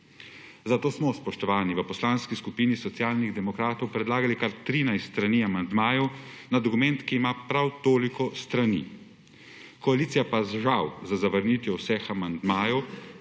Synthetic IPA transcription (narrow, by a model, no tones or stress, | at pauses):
zat̪oːsmɔspɔʃt̪ɔʋaːniʋəpɔslaːnskiskupiːnisɔt̪sijaːlniɣd̪ɛmɔkɾaːt̪ɔwpɾɛd̪laːɡalikaɾt̪ɾiːnajst̪ɾaniːamand̪maːjɔwnad̪ɔkumɛnt̪kiːmapɾawt̪oːlikɔst̪ɾanḭ | kɔaliːt̪sijapazʒawzazaʋəɾniːt̪ʋjɛwsɛxamand̪maːjɔw